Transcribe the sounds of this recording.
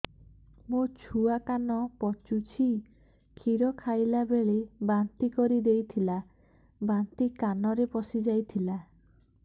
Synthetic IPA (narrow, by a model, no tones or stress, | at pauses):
mot͡ʃʰuakanɔpɔt͡ʃut͡ʃʰi | kʰiɾɔkʰajlabeɭebant̪ikɔɾid̪ejt̪ʰila | bant̪ikanɔɾepɔsid͡ʒajt̪ʰila